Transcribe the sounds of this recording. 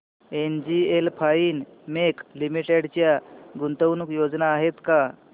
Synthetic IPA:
end͡ʑielpʰaiːnmeklimiʈeɽt͡ɕjaɡunt̪əwnukjod͡znaːɦet̪ka

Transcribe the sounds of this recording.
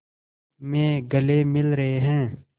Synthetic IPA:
mẽːɡəleːmɪlɾəɦeɦɛ̃ː

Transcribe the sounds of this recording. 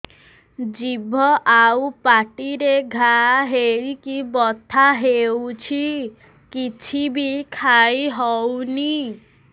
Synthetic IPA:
d͡ʒibʱɔʔawpaʈiɾeɡʱaɦeɭikibɔt̪ʰaɦewt͡ʃʰi | kit͡ʃʰibikʰajɦɔwni

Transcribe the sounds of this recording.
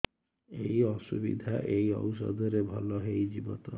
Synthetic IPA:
ejɔsubḭd̪ʱaʔejɔ̰ws̬ɔ̰d̪ʱɔɾebʱɔlɔɦejd͡ʒibɔt̪ɔ

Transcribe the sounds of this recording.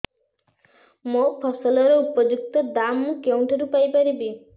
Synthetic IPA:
mopʰɔsɔlɔɾɔupɔd͡ʒuk̚t̪ɔd̪amkew̃ɳʈʰɔɾupajpaɾibi

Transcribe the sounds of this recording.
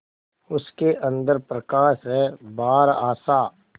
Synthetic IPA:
ʊskeʔə̃nd̪əɾpɾəkaːʃɦɛːbaːɾaːsaː

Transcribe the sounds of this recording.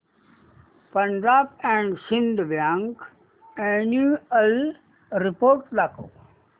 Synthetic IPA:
pə̃nd͡ʒaːb̚ɛ̃ɳɖsɪ̃nd̪ʋjãːŋk | enjuəl | ɾɪpoːɾʈlako

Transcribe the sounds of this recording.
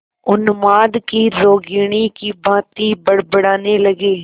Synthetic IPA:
ʊnmaːd̪kiːɾoːɡɪɳ̃iːkiːbãːt̪iːbəɽbəɽaːneːləɡeː

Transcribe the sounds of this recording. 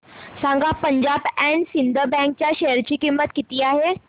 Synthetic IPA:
sãŋɡapəɲd͡ʑabɛ̃ɳɖsind̪əbɛ̃ŋk̚t͡ɕjaɕeɦəɾt͡ɕiːkimːət̪kit̪iːaɦe

